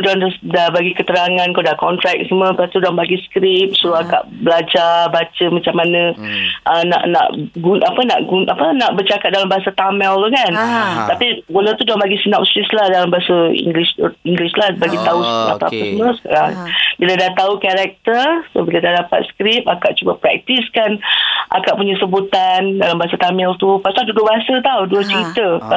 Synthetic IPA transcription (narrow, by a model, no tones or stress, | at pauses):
dɔndadabaɡikət̪əɾaŋãnkodahkɔnt̪ɾɛk̚səmə̃bat̪udɔmbaɡiskɾip̚suuaka̰ʔbəlad͡ʒarbat͡ʃəmat͡ʃamanə̃ʔəna̰ʔna̰ʔɡunʔapəna̰ʔɡunʔapənaʔbərt͡ʃakat̪̚dalambaɦasat̪amɛlkant̪apibulat̪udambaɡisənap̚sislahdalambaɦasaḭŋɡlisiŋɡlislabaɡit̪ausa̰pəa̰pəsəməasəka̰ɾaŋbiladaht̪aukaɾɛk̚t̪ərsobiladahdapa̰t̪̚skɾip̚akaʔt͡ʃubapɾɛ̰k̚t̪iskanʔa̰kaʔpuɲasəbut̪andalambaɦasat̪amɛlt̪upasaldudʊʔbaɦasat̪awduət͡ʃəɾit̪ə